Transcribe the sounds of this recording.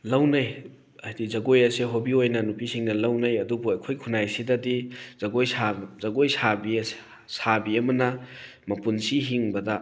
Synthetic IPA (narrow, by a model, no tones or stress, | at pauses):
lɐwnɐj | ɐjdizɐɡojɐseɦobiojnɐnupisiŋdɐlɐwnɐjɐdubuɐjkʰojkʰunajsidɐdizɐɡojsazɐɡojsabiɐs | sabiɐmɐnɐ | mɐpunsiɦiŋbɐdɐ